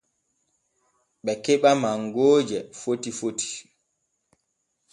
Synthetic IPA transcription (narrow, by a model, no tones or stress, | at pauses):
ɓɛkɛɓamaŋɡoːd͡ʒɛfotifoti̥